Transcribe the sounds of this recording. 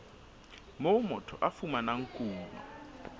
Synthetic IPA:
mɔmɔtʰɔʔafumanaŋkʼuːnɔ̰

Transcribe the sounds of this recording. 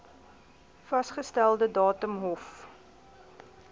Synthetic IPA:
fɐsχəstælˠdədɑːtəmɦɔf

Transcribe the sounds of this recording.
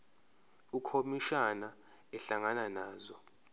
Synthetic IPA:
ukʰomiʃana | ɛɬaŋananaːzɔ

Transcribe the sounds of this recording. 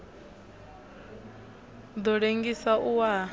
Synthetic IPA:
d̪ɔɺeŋɡisaʔuwa

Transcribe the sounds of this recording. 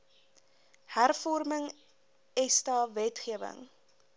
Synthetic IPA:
hærfɔrməŋ | ɛstɑːvɛtχiəvə̰ŋ

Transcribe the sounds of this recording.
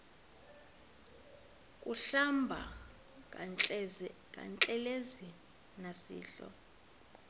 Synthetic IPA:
kʼuɬambʱa | kʼa̰nt͡ɬʼɛlezi | nasḭːɬɔ̰

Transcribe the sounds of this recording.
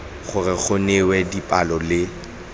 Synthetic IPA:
χʊrɪk͡xʰʊnewɛdipʼalɔlɪ

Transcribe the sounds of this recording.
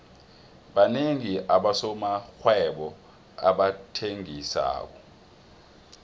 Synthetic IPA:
ɓaneŋiʔaɓasɔmaxwɛɓɔ | aɓatʰeŋisa̰ːk̬ɔ

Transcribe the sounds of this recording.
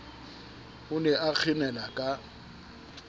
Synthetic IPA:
hʊnɛʔak͡xʰɪnɛlakʼa

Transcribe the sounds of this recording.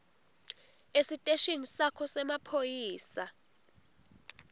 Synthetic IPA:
esitʼeʃinisakʰɔsɛmapʰojiːsa

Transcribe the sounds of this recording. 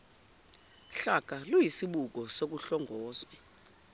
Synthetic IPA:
ɬaɡ̥ʱalujisiɓuk̬ɔsek̬uɬɔŋʱɔːzwɛ

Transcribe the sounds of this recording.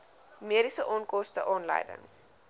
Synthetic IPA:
miəɾisəʔɑːnkɔstəʔɑːnlə̰jdə̰ŋ

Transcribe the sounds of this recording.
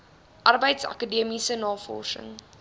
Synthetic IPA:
ʔɐrbəjtsɐ̰kədiəmisənɑːfɔ̰sə̰ŋ

